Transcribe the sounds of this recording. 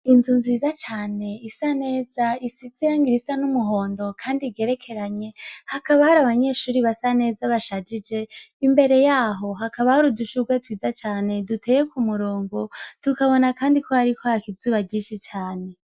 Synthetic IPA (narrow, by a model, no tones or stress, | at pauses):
inzunziːzat͡ʃaːne̞isane̞ːzaisit͡sijaːŋɡiɾisanumuɦo̞ːndo̞kʰaːndiɡe̞ɾe̞kʰe̞ɾaɲe̞hakaβahaɾaβaɲe̞ʃuːɾiβasane̞ːzaβaʃad͡ʒid͡ʒe̞imbe̞ɾe̞jaːɦo̞ɦakaβahuɾuduʃuɡwatwiːzat͡ʃaːne̞dutʰejekumuɾoːŋɡo̞tukaβo̞nakaːndikʰo̞haɾikʰohakizuβaɟiːʃit͡ʃaːne̞